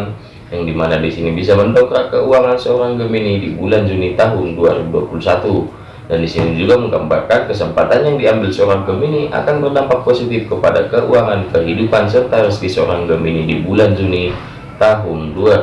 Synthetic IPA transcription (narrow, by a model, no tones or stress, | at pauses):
n | jaŋdimanadisinibisaməndɔkɾakəuaŋansəoɾaŋɡəminidibuland͡ʒunit̪aɦʊnduaɾibudua̰pulusat̪u | dandisinid͡ʒuɡaməŋɡa̰mbarkakəsəmpat̪anjaŋdiambɪlsoɾaŋɡəminiʔa̰kanbərdampak̚posit̪ɪfkəpada̰kəʔuaŋankəɦidupansərt̪aɾəsdisəoɾaŋɡəminidibuland͡ʒuni | t̪aɦundua